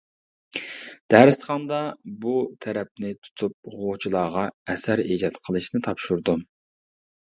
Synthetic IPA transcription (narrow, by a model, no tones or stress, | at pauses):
d̪̥æɾɨsχɑnd̪ɑbut̪ʰɛɾɛp̚nɪt̪ʰu̥t̪ʰup̚ʁot͡ʃʰilˠɑːʁɑɛsæɾid͡ʒɑt̪qʰəlˠɨʃnɪt̪ʰɑpʃuɾd̪u